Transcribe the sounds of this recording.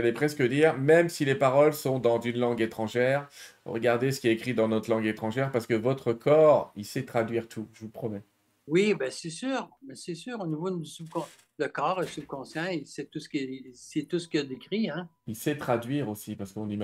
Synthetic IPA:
alɛpχɛskəd̪iʁmɛmsilepaʁɔlsɔ̃d̪ɑ̃zynlɑ̃ɡet̪χɑ̃ʒɛːʁʁə̰ɡaʁd̪es̬ə̥kʲiɛekχid̪ɑ̃nɔt̪χlɑ̃ɡet̪χɑ̃ʒɛʁpaʁsə̥kəvɔt̪χəkɔːʁilsɛt̪χad̪ɥiʁt̪ʰuʒəvupχɔmɛ | wibɛsɛsyːʁmɛsɛsyːʁonivod̪ysybkɔ̃ | ləkɑːʁəsyb̚kɔ̃sjɛ̃isɛt̪usə̥kʲiisɛt̪usə̥kʲiad̪ekχiɛ̃ilsɛt̪χad̪ɥiʁosipaʁsə̥kɔ̃nim

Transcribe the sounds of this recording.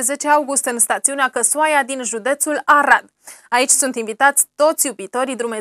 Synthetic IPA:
ze̞t͡ʃeawɡust̪ɨnst̪at̪siuneakəsuajad̪inʒud̪e̞t̪sulaɾad̪ | ait͡ʃʲsunt̪invit̪at̪sʲt̪o̞t̪sʲjubit̪o̞ɾid̪ɾume̞

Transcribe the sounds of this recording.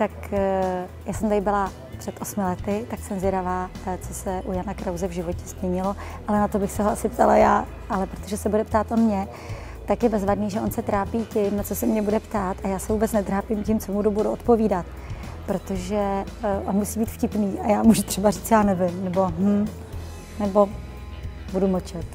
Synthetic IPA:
t̪ak | jaːsɛmt̪aɾɪbɪla | pr̥ɛt̪ʔo̞smɪlɛt̪ɪt̪aksɛmzɛɾavaːt͡so̞sɛʔujanakɾawzɛvʒɪvo̞cɛzmɲɛɲɪlo̞ | ʔalɛnat̪o̞bɪxsɛɦoʔasɪpt̪ala̰jaː | ʔalɛpɾot̪o̞ʒɛsɛbudɛpt̪aːt̪ʔo̞mɲɛ | t̪akjɛbɛzvadniːʒɛʔo̞nsɛt̪ɾaːpiːcɪmnat͡so̞sɛmɲɛbudɛpt̪aːt̪ʔajaːsɛvuːbɛt͡snɛt̪ɾaːpɪmcɪmt͡somudubuduʔot̪̚po̞viːdat̪ | pɾo̞t̪o̞ʒɛʔonmusiːbiːt̪fcɪpniːʔajaːmuʒut̪r̥ɛbariːt͡sjaːnɛvɪmnɛbo̞ɦm̩ | nɛbo̞ | budumɔt͡ʃɛt̪

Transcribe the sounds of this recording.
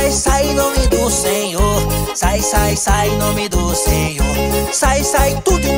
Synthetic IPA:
jsajẽnõmɪd̪ʊsẽɲoɾsaisasaẽnõmɪd̪ʊsẽɲoɾsajisãt̪ud̪ʊɪ̃n

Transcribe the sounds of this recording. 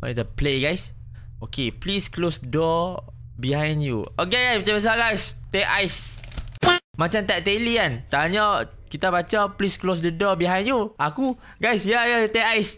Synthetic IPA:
wa̰it̪əpleɡajs | okeplisklosdədɔ | biɦãjnjuok̬eɡajsbat͡ʃãbəs̬aɡajst̪eajs | a | mat͡ʃamt̪ɛʔ̚t̪eliant̪aɲa | kit̪abat͡ʃaplisklosdədɔbiɦãjnjuaku | ɡajsjajat̪ekajs

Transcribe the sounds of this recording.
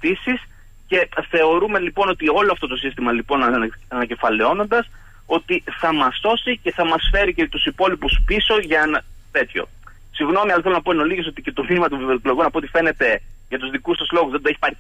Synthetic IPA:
t̪isis | ce̞θe̞o̞ɾume̞lipo̞no̞t̪io̞loɐft̪o̞t̪o̞sist̪imɐlipo̞nɐnɐce̞fɐle̞o̞no̞nd̪ɐs | o̞t̪iθɐmɐsθo̞sice̞θɐmɐsfe̞ɾicet̪usipo̞lipuspiso̞ʝɐenɐt̪e̞t̪ço̞̰ | siɣno̞miɐlɐθelonɐpo̞eno̞liʝe̞so̞t̪ice̞t̪o̞minimɐt̪uvivoeklo̞ɣunɐpoot̪i̥fe̞ne̞t̪e̞ʝɐt̪uzðikusɐslo̞ɣuzðend̪ueçi̥pɐɾi

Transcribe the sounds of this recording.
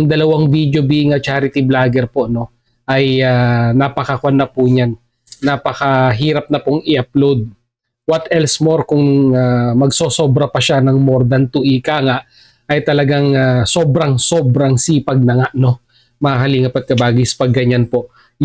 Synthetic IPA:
ɐŋd̪ɐlɐwaŋvid̪jobiŋɐt͡ʃaːɾɪt̪iblaːɡɛɾpo̞ʔno̞ | ʔɐjanapɐkɐkwanɐpʊɲanː | apɐkɐɦiːɾɐp̚nɐpʊŋɪʔɐplowd̪̚ | wɐt̪ʔɛlsmoɾkʊŋamɐɡsoso̞bɾɐpɐʃanɐŋmoɾd̪ɐnt̪uʔikaːŋaʔ | ɐjt̪ɐlɐɡaŋaso̞bɾɐŋso̞bɾɐŋsiːpɐɡ̚nɐŋaʔno̞ | mɐakɐliːŋɐpɐt̪̚kɐbaːɡisɐ̥pɐɡːɐɲanpo̞ʔ

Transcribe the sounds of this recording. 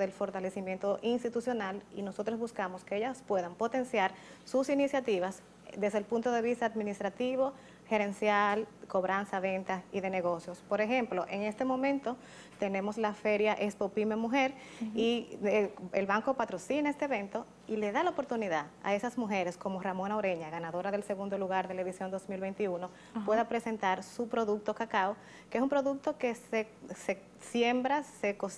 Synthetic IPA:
ðelfo̞ɾt̪ale̞simje̞nt̪o̞ʔinst̪it̪usjo̞nalino̞so̞t̪ɾozβuskamo̞skeeʝaspwe̞ðampo̞t̪e̞nsjaɾ | susinisjat̪iβas | d̪e̞zðelpunt̪oðe̞βist̪aːðminist̪ɾat̪iβo̞ | xe̞ɾe̞nsjalko̞βɾansaβe̞nt̪aiðe̞ne̞ɣo̞sjo̞spo̞ɾe̞xe̞mplo̞ʔe̞ŋe̞st̪e̞mõ̞mẽnt̪o̞ | t̪e̞ne̞mo̞slafe̞ɾjaʔespopimemuxe̞ɾ | i | elβaŋkopat̪ɾo̞sine̞st̪eeβent̪o̞ | ile̞ðalaopoɾt̪uniðaða̰e̞sazmuɦe̞ɾe̞sko̞mo̞ramo̞naoɾe̞ɲaɣanaðo̞ɾaðe̞lse̞ɣund̪o̞luɣaɾðelaeðisjo̞nd̪o̞smilβe̞nt̪iuno̞ | we̞ðapɾe̞se̞nt̪aɾsupɾo̞ðuk̚t̪o̞kakao | kees̬umpɾo̞ðuk̚t̪o̞kese | se | sje̞mbɾasekos

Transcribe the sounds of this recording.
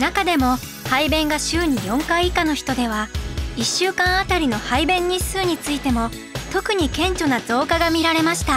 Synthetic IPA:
nakad̪e̞mo̞ | haibẽ̞ŋɡaɕɨːɲ̟ijõ̞ŋkaiikano̞çi̥t̪o̞d̪e̞βaiɕːɨːkãɰ̃at̪aɾʲino̞haibẽ̞ɲ̟ːisɨːɲ̟it͡sɨit̪e̞mo̞ | t̪o̞kɯ̟ɲ̟ikẽ̞ɲt͡ɕo̞nad͡zo̞ːkaɡamʲiɾaɾe̞maɕi̥t̪a

